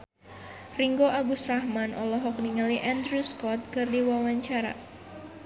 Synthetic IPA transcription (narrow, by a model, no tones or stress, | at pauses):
riŋɡoʔaɡusrahmanʔɔ̰lɔɦɔk̚niŋaliʔand̪ɾuskɔt̪̚kɨrdiwawaɲt͡ʃaɾa̰